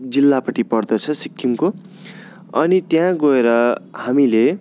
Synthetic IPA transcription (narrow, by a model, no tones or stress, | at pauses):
d͡zilːapʌʈipʌrd̪ʌt͡sʰʌsikːimko | ʌnit̪jãɡʌeɾʌhamile